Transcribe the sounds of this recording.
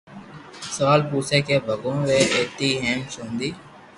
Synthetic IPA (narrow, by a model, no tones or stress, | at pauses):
səʋaːlpuːseːkeːbʱəɡõːʋeːʔeːt̪iːɦeːmt͡ʃõːnd̪iː